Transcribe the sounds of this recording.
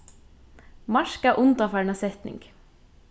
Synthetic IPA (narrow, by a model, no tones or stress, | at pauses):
mɑʃkæːʔʊnd̪ɑfæːɳɑsɛt̪nɪ̰ŋɡ